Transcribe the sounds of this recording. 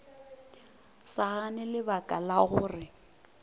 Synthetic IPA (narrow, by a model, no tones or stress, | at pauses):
saɣanɪlɪbakʼalaɣʊːrɪ